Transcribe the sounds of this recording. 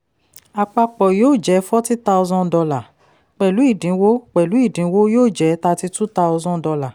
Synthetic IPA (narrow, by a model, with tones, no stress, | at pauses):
a˧k͡pa˧k͡pɔ˨joː˦˨d͡ʒɛ˨˦fɔ˦ti˦ta˧ɔ˧zɔ̃˦˧dɔ˧la˨ | k͡pɛ˨lu˨˦i˦˨dĩ˨˦wo˦k͡pɛ˨lu˨˦i˦˨dĩ˨˦wo˦joː˦˨d͡ʒɛ˨˦ta˧ti˧tu˦ta˧ɔ˧zɔ̃˦dɔ˧la˨